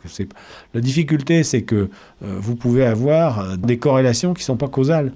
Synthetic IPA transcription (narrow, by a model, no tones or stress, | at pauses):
kəsɛplad̪ifik̬ʲylt̪esɛkə̰ | vupuveavwaʁd̪ekɔʁelasjɔ̃kʲi̥sɔ̃pakozal